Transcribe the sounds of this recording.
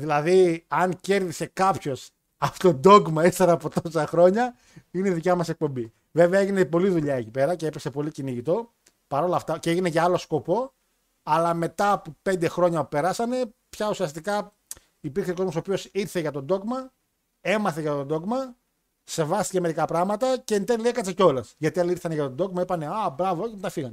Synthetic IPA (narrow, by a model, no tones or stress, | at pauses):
ðilɐðiɐŋce̞ɾðise̞kɐpço̞s | ɐpo̥t̪o̞d̪o̞ɡmɐist̪eɾɐːpo̞t̪osɐxɾo̞ɲɐ | ineiðicɐmɐse̞k̚po̞mbi | ve̞veɐeʝinepo̞liðuʎɐecipe̞ɾɐceepeksepo̞liciniʝit̪o̞ | pɐɾo̞lɐft̪ɐceʝine̞ʝɐɐlo̞sko̞po̞ | ɐlɐme̞t̪ɐpupe̞nd̪e̞xɾo̞ɲɐupe̞ɾɐsɐne̞pçɐusiɐst̪ikɐ | ipiɾçseko̞zmosopio̞siɾθe̞ʝɐt̪o̞d̪o̞kmɐ | e̞mɐθe̞ʝɐt̪ond̪o̞ɣmɐ | se̞vɐst̪iceme̞ɾikɐpɾɐɣmɐt̪ɐceint̪eliekɐt͡sseco̞lɐsʝɐt̪iɐliiɾθɐneʝɐt̪od̪o̞kmɐipɐneɐbɾɐvoemt̪ɐfiɣɐne